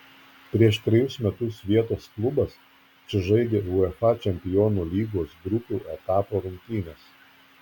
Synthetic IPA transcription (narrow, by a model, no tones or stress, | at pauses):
pʲɾʲiɛʃt̪ʲɾʲɪjʊsmʲɛt̪ʊsʋʲiɛt̪oːsklˠʊbɐs | t͡ʃʲɪʒɐɪd̪ʲeːʊɛfɑt͡ʃʲɛmʲpʲɪjoːnuːlʲiːɡoːsɡɾʊpʲuːʔɛt̪ɑːpoːɾʊŋʲkʲt̪ʲiːnʲeːs